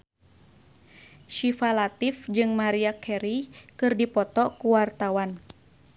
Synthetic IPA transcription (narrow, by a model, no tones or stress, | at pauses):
ʃifalat̪ifd͡ʒɨŋmaɾiakʰɛɾikɨrdipɔt̪ɔkuwart̪awan